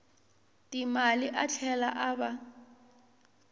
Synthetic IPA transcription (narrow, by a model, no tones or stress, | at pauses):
tʼimaliʔat͡ɬʰɛla̰ʔaba